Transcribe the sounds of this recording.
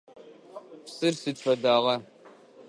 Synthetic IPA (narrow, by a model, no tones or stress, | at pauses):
psɨrsɨt͡ʃfɐdaːʁɐ